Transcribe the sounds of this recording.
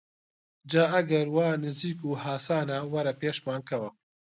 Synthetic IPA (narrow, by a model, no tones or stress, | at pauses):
d͡ʒaːɐɡɐɾwaːnɨziːkuːhaːsaːnawɐɾɐpeːʃmaːnkɐwɐ